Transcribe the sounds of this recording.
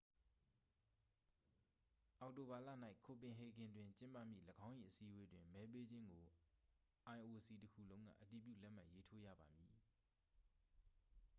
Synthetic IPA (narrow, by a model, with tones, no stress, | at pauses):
ʔa˨ʊʔto˨ba˨la̰˦˨n̥a˦ɪʔkʰo˨pɪ̃˨ɦe˨ɡɪ̃˨ndwɪ̃˨ɲt͡ɕɪ̃˦mpä̰˦˨m̥ḭ˦˨ləɡã˦ʊ̃ʔḭ˨ʔəsi˦ʔwe˦dwɪ̃˨mmɛ˦p̬e˦d͡ʑɪ̃˦ŋɡo˨ | ʔã˨ɪ̃ʔo˨əsi˨təkʰṵ˦˨lõ˦ʊ̃ŋa̰˦˨ʔəti˨p̬jṵ˦˨lɛ˦ʔm̥a̰˦˨je˦tʰo˦jä̰˦˨ba˨mji˨